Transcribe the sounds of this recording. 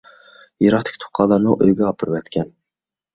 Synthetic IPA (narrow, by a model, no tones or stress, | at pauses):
jiɾɑχt̪ʰɪ̥kʲt̪ʰo̥qʰːɑlˠːɑɾnuʔøjɡʲɛɑpʰɨɾpɛt̪kʲʰɛn